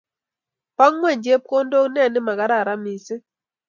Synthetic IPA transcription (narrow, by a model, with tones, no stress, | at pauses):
pa˦ŋma˦˨ɲd͡ʒe˦p̚ko˦ndo˦ŋnɛ˦˨nɪ˦ma˨ɡa˦ɾa˨ɾa˦mi˨sɪ˦